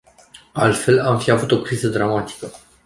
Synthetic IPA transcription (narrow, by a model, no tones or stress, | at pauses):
alt̪fe̞lamfiavut̪o̞kɾizəd̪ɾamat̪i̥kə